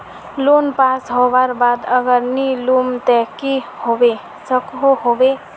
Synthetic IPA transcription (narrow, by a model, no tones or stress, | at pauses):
loːnpaːsɦoʋaɾbaːd̪əɡəɾniluːmt̪ɛkihoːʋe | səkɦoɦoːʋe